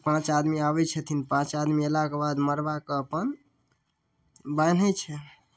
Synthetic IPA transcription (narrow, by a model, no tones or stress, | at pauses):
pãt͡ʃad̪miabɛt͡ʃʰɛt̪ʰinpãt͡ʃad̪mielakebad̪məɾbakeəpən | ban̤ɛt͡ʃʰɛ